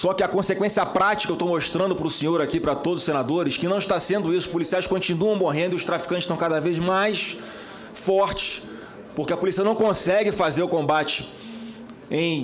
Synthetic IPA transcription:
sɔkɪɐkõsekwẽsiɐpɾat͡ʃi̥kɐewt̪owmoʃt̪ɾɐ̃nd̪ʊpɾʊsẽɲoɾakipɾɐt̪od̪zʊ̥senad̪oɾɪʃkɪnɐ̃w̃ɪʃt̪asẽnd̪ʊisʊpulisiajʃkõnt͡ʃinuɐ̃w̃moɦẽnd̪ʊiʊʃt̪ɾafi̥kɐ̃tt͡ʃɪʃt̪ɐ̃w̃kad̪ɐvejzmajs | fɔχt͡ʃɪ̥s | poɾkɪɐpulisiɐnɐ̃w̃kõsɛɡɪfazeɾʊkõmbat͡ʃɪ̥ | ẽj̃

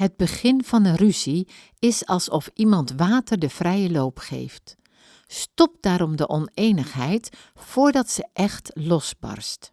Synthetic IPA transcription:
ɦəd̚bəχɪnvɑnəryzi | ɪsɑlˠsɔfimɑntʋaːtəɹdəv̥rɛjəlowpχḛjft | stɔp̚daːɾɔmdəʔɔnejnəχɦɛjt | fʊːɹdɑtsəʔɛχtlɔsbɑ̰rst

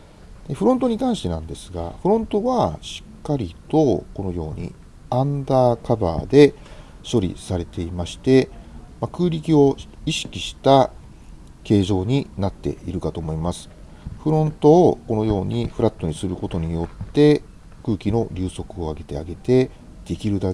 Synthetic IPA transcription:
d̪̥eɸɯ̟ɾont̪o̞ɲ̟ikãɰ̃ɕi̥t̪e̞nãnd̪e̞sɨ̥ɡa̰ɸɯ̟ɾõ̞nt̪o̞βaɕi̥kːaɾʲit̪o̞ko̞no̞jo̞ːɲ̟ḭ | ãnd̪aːkaba̰ːd̪e̞ | ɕo̞ɾʲḭsaɾe̞t̪e̞imaɕi̥t̪e̞makɯ̟ːɾʲikʲio̞iɕi̥kʲiɕi̥t̪a | ke̞ːʑo̞ːɲ̟inat̪ːe̞̰ḭɾɯ̟kat̪o̞ːmo̞imasɨ̥ | ɸɯ̟ɾõ̞nt̪o̞ːko̞no̞jo̞ːɲ̟iɸɯ̟ɾat̪ːo̞ɲ̟isɨɾɯ̟ko̞t̪o̞ɲ̟ijo̞t̪ːe̞ | kɯ̟ːkʲino̞ɾʲɨːso̞kɯ̟o̞aɡe̞t̪e̞aɡe̞t̪e̞ | d̪̥e̞kʲiɾɯ̟d̪a

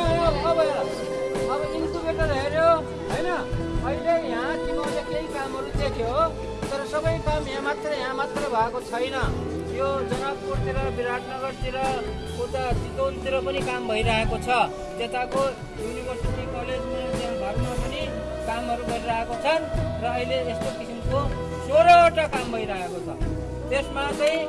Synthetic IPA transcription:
bʌ | ʌbʌinkubeʈʌɾʌɦeɾjo | ɦʌjnʌʌjlejɦãt̪imoekʌjkamɦʌɾud̪ekʰjo | t̪ʌɾʌsʌbʌjkamjãmat̪rʌjɦãmat̪rʌbʱʌekot͡sʰʌjnʌ | jod͡zʌnʌb̚kot̪iɾʌbiɾat̪ʰnʌɡʌɾt̪iɾʌ | kot̪ad͡zit̪ont̪iɾopʌnikambʱʌiɾaɦekot͡sʰʌ | t̪et̪ako | junibʱʌrsiʈ̪ikʌled͡zmut̪ebʱaknʌmapʌni | kamɦʌɾuɡʌɾiɾaɦekot͡sʰʌnrʌːileest̪okisimko | soɾʌːʈakambʱʌjɾaɦekot͡sʰʌ | t̪esmat̪ʌj

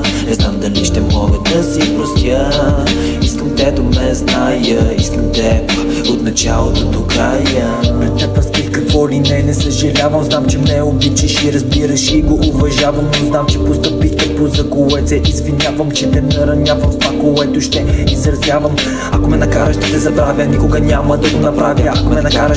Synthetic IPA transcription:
nɛznamd̪ɐliʃt̪ɛmɔɡəd̪ɐsipɾost̪ʲjə | iskəmt̪ɛd̪ʊmɛznajəiskəmt̪ɛ | ot̪nɐt͡ʃa̰lˠət̪ot̪okɾajə | pɾɛt̪ɛpɾɐsk̪itkɐkvɔlinɛnɛsəʒɐlʲavɐmznamt͡ʃɛmnɛobit͡ʃəʃiɾɐzbiɾəʃiɡoʔːvɐʒavɐmnoznamt͡ʃɛpost̪ɐpitt̪ɐpozɐɡolˠɛt̪sɛʔisvinʲavɐmt͡ʃɛnɛnɐɾɐnʲavɐmst̪vakolɛt̪ʊʃt̪ɛisɾɐzvʲjavɐm | ɐkomɛnɐkaɾəʃd̪ɐt̪ɛzɐbɾavʲjənikʊɡɐnʲaməd̪ɐɡonɐpɾavjəakomɛnɐkkaɾəʃ

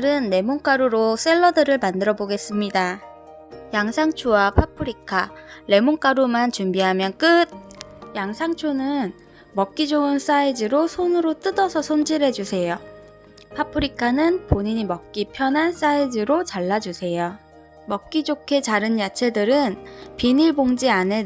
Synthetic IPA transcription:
ɾɯnːe̞moŋk͈aɾuɾos͈e̞ɭːʌdɯɾɯɭmandɯɾʌboɡe̞s͈ɯmɲida | jaŋsʰaŋt͡ɕʰuwapʰapʰɯɾikʰaɾe̞moŋk͈aɾumant͡ɕumbiɦamjʌnk͈ɯd̚ | jaŋsʰaŋt͡ɕʰunɯn | mʌk̚k͈id͡ʑoɯns͈aid͡ʑiɾosʰonɯɾot͈ɯdʌsʰʌsʰond͡ʑiɾɦe̞d͡ʑusʰe̞jo | pʰapʰɯɾikʰanɯnpoɲiɲimʌk̚k͈ipʰjʌnɦans͈aid͡ʑiɾot͡ɕaɭːad͡ʑusʰe̞jo | mʌk̚k͈id͡ʑokʰe̞t͡ɕaɾɯnjat͡ɕʰe̞dɯɾɯnpiniɭboŋd͡ʑiane̞

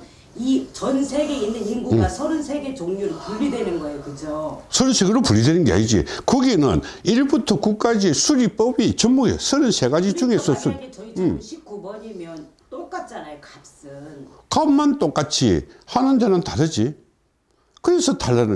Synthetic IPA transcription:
it͡ɕʌnsʰeɡe̞inːɯninɡuɡasʰʌɾɯnsʰeɡe̞t͡ɕoŋɲuɾopuʎːidwenɯnɡʌejokɯd͡ʑosʰʌɾɯnsʰeɡeɾopuʎːidwenɯnɡea̰ɲid͡ʑḭkɯɡenɯ̰niɭbutʰʌkuk͈ad͡ʑisʰuɾip͈ʌbit͡ɕʌmːuɡḛsʰʌɾɯnsʰe̞ɡad͡ʑit͡ɕuŋe̞sʰʌsʰuɾmʰik͈ubʌɲimjʌn | t͈ok͈at̚t͡ɕ͈anakap̚s͈ɯn | kammant͈ok͈at͡ɕʰḭhanɯndenɯntadɯd͡ʑi | kɯɾe̞sʰʌtaɭːanɯ

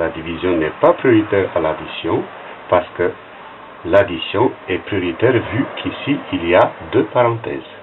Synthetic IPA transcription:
lad̪ivizjɔ̃nɛpapχiɔʁit̪ɛʁalad̪isjɔ̃ | paʁsə̥kə | lad̪isjɔ̃ɛpχiɔʁit̪ɛʁvykʰisiiliad̪øpaʁɑ̃t̪ɛ̰ːz

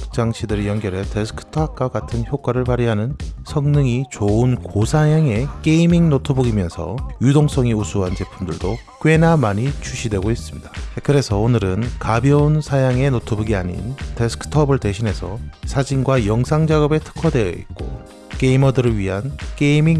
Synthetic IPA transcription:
t͡ɕ͈aŋɕʰidɯɾejʌnɡjʌɾɦe̞te̞sʰɯ̥kʰɯ̥tʰʌak̚k͈aɡatʰɯnçjok͈waɾɯɭpaɾiɦanɯnsʰʌŋnɯŋit͡ɕoɯnkosʰajaŋe̞k͈e̞imiŋnotʰobuɡimjʌnsʰʌ̰judoŋs͈ʌŋiusʰuɦand͡ʑe̞pʰumdɯɭdo | k͈we̞namaɲit͡ɕʰuɕʰidwe̞ɡois͈ɯmɲidḁkɯɾe̞sʰʌonɯɾɯnkabjʌunsʰajaŋe̞notʰobɯɡiaɲḭnte̞sʰɯ̥kʰɯ̥tʰʌbɯɭte̞ɕʰinɦe̞sʰʌ̰sʰad͡ʑinɡwajʌŋsʰaŋd͡ʑaɡʌbe̞tʰɯ̥kʰʌdwe̞ḭk͈o̰ | k͈e̞imʌdɯɾɯɭɥiɦank͈e̞imiŋ

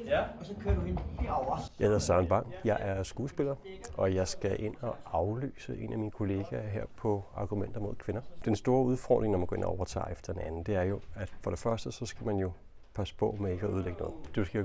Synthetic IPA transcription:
skʰøɐd | ɑhe̝ðˠɐsɑnb̥ɑ̈ŋ̰jɑ̈ɪʔæɐsɡ̥uːsb̥e̝lɐːʔɒ̽jɑ̈ɪsɡ̥æʔe̝n̰ɒ̽ɑ̈ʊly̰ːsəʔe̝̰ːnʔæminəkʰo̝le̝ːɡ̥æɦeɐ̰pʰɒ̽ɑ̈ːɡ̥umen̰d̥ɐmo̝ð̰ˠkʰʋe̝nɐd̥ensd̥o̝ːɐuð̞ˠfɒ̰ːd̥ʁeŋnɒmænɡ̥ɔ̽e̝̰nɒ̰ɒʊɐt͡sʰɑ̰̈ːefd̥ɐ̥e̝nænn̩d̥e̝æɐjo̝æd̥fɒ̽ɾ̥e̝fɶɐsd̥əsɒ̽sɡ̥æmænjo̝ | pʰæsə̥pʰɔ̰̽mee̝ɡ̥əæuð̞ˠleɡənɔ̽ːð̩ˠd̥usɡ̥i

